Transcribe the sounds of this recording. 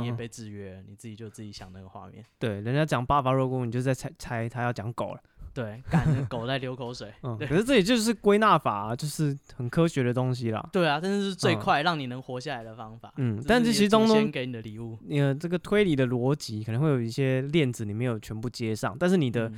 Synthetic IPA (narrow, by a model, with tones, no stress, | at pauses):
jɛ˨pe˧ɪʈ͡ʂɻ̩˨˥˩ɥɛ˧˥˦ni˨˩t͡sɹ̩˥˩t͡ɕi˨˩t͡ɕjo˥˧ʊt͡sɹ̩˥˩t͡ɕi˨˧˥ɕjɑ˨˩ŋna˥˩ɡə˩xwa̰˥˧mjɛ̰˥˩nt̪we˥˩ɪɻə˧nt͡ɕjt͡ɕjɑ˨˩ŋpa˥˩fa˨˧˦ɻɔ˥˧kɔ˥ŋn˧˨t͡ɕo˥˧˥t͡sa˥˩a˥ɪt͡sʰa˥ɪt̪ʰa˥jɑ˥˩ʊt͡ɕjɑ˧˥ŋko˨˩ʊlə˦t̪we˥˩ɪka˨n˧ko˨˩ʊt͡sa˥˩ɪljo˧˥ʊkʰo˧˥ʊʂwe˨˩ɪə˥˧kʰə˩ʂɻ̩˥˧ʈ͡ʂɤ˥˩ɛ˨˩t͡ɕjo˥˧ʊʂɻ̩˥˩kwe˥ɪna˥˩fa̰˨˩t͡ɕjo˥˧ʊʂɻ̩˥˩xə˨˩nkʰɤ˥ɕɥɛ˧˥ɾə˧t̪ʊ˥ŋɕ̬i˥lɐ̰˨t̪we˥˩ɪla˨˩ta˥˧˥o˥ʊʂ̩˥˧t͡swe˥˧ɪ˧kʰwa˥˧ɪɻɑ˥˩ŋni˨˩nə˧˥ŋxwɔ˧˥ɕja˥˨˩la˧ɪd̪ə˨fɑ˥ŋfa̰˨˩˦n̩˥˩t̪a˥˧ʂi˧˥˧t̪ŋʊ˥ŋke˧ɪni˨˩d̪ə˦li˨˩u˥˩˨ʈ͡ʂɤ˥˩ɡə˨t̪ʰwe˥ɪli˨˩d̪ə˨lwɔ˧˦˥t͡ɕi˧˥kʰə˨nə˧ŋxwe˥˩jo˨˩˦i˥˩ɕjɛ˦ljɛ˥˩nd͡zɹ̩˩ni˨˩me˧˥ɪjo˨˩ʊt͡ɕʰɥɛ˧˥npu˥˩t͡ɕjɛ˥ʂɑ̰˥˩ŋt̪a˥˧nʂ̬̩˥˩ni˨˩d̪ə˦